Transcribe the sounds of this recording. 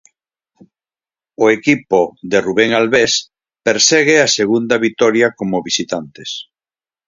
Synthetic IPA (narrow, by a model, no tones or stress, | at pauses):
oekipoðeruβeŋalβes | peɾsɛɣ̞easeɣund̪aβit̪ɔɾjakomoβisit̪ant̪es